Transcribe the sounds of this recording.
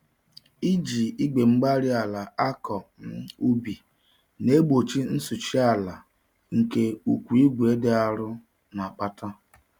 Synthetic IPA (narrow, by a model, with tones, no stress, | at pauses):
i˦d͡ʒi˨i˦ɡ͡be˨ŋ͡m̩˦ɡ͡ba˦ɾi˦a˨la˨a˦kɔ˨m̩˦u˦bi˨ | ne˦ɡ͡bo˨t͡ʃi˦n̩˦su˨t͡ʃi˦a˨la˨ | ŋ̩˨ke˦u˨kʷu˨i˦ɡʷe˦de˦a˦ɾʊ˦ | na˨k͡pa˦ta˦